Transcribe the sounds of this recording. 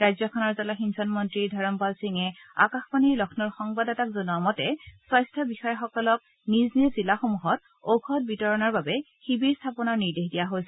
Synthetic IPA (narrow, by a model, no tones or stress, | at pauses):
ɹajzjɔkʰɔnɔɹzalaxinsɔnmɔntɹiɹdʱɔɹɔmpalsiŋɛa̰kaxbaniɹlɔkʰnɔɹxɔŋbadatakzɔnuamɔtɛsɔjstʰabixɔjɔxɔkɔlɔk̚ | niznizilaxomuɦɔt | okʰɔt̚bitɔɹɔnaɹbabɛ | xibiɹstʰapɔnaɹniɹdexdijaɦojsɛ